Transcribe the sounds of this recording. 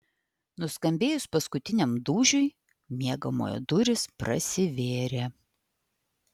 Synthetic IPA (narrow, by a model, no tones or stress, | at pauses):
nʊskɐmʲbʲeːjʊspɐskʊt̪ʲɪnʲɛmd̪uːʒʲʊɪ | mʲiɛɡɐmo̰ːjɛ̰d̪ʊɾʲɪspɾɐ̰sʲɪʋʲeːɾʲeː